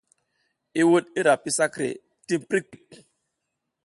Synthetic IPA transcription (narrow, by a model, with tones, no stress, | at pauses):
i˦wo˦t̚i˦ɾa˨pi˦sa˦kɾḛ˨ | ti˦m˦pɾi˦k͡pi˨k